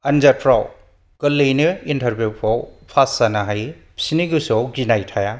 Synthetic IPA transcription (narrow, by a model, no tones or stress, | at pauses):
ɐnd͡ʒatʰɾaw | kɐlːɯjnɯintʰɐɾbʱjupʰɔwpʰasanaɦaj | psiniɡusɔwɡinajtʰaja